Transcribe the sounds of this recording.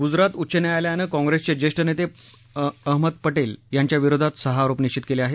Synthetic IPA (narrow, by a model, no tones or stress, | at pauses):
ɡud͡zɾat̪utːɕəneajljanəkɔ̃ŋɡɾest͡ɕed͡ʑeʂʈənet̪e | əɦməd̪̚pəʈeljaɲt͡ɕjaʋiɾod̪ʱat̪səɦaːɾopniʂt͡ɕit̪keleaɦe